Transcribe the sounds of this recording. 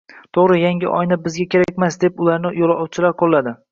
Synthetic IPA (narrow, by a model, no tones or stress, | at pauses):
t̪ʰoʁɾɪjaŋʲɪʔɒ̰jnabɪzɡʲakʲʰe̞ɾaak̚ʲmasd̪e̞pʊlaɾnɪjolˠɒwt͡ʃʰɪlaɾqʰolˠːad̪ɪ